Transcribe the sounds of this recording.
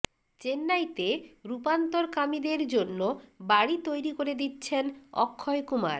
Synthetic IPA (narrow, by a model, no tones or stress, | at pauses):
t͡ɕenːajt̪eɾupant̪oɾkamid̪eɾd͡ʑonːobaɽit̪ojɾikoɾed̪itːɕʰenɔ̰kʰːɔekuma̰ɾ